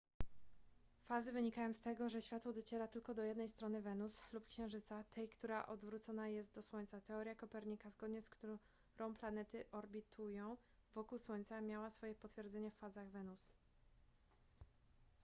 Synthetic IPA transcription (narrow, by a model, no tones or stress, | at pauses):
fazɘvɘɲikajɔ̃w̃st̪ɛɡɔʐɛɕfʲjat̪wɔd̪ɔt͡ɕɛɾat̪ɘlkɔd̪ɔjɛd̪nɛjst̪ɾɔnɘvɛnuslupkɕɛ̃w̃ʐɘt̪sat̪ʰɛjkt̪uɾaʔɔd̪vɾut̪sɔnajɛst̪̚d̪ɔswɔɲʲt̪sat̪ɛɔɾjakɔpɛɾɲikazɡɔd̪ɲɛskt̪u | ɾʔɔ̃w̃planɛt̪ɘʔɔɾbʲit̪ʰujɔ̃w̃ | vɔkuwswɔɲʲt̪samʲjawasfɔjɛpɔt̪fʲjɛɾd̪zɛɲɛffazaɣvɛnus